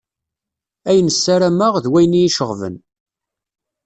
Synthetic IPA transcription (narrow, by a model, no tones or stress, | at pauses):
æjənəsːæɾæməʁðwæjniiʃəʁvə̰n